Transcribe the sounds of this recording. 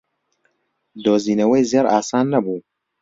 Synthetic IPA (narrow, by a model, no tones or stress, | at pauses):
d̪oːziːnɐwejzeɾaːsaːnːɐbuː